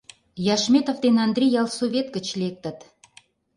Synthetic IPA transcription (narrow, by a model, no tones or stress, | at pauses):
jɑʃmʲet̪ovd̪enɑnd̪rʲijɑlˠsovʲet̪̚ɡə̆t͡ɕlʲek̚t̪ə̆t̪